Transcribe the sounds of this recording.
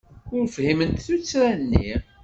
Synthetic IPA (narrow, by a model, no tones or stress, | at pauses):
ʊɾfhimənt̪θut͡sːɾænːḭ